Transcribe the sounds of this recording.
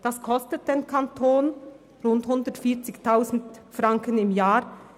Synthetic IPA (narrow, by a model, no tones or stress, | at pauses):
d̥askʰɔstət̚d̥eːnkʰantʰoːn | ʁʊnthʊndətfiːɐt͡sɪçtʰaʊzn̩tfʁaŋkənɪmjaː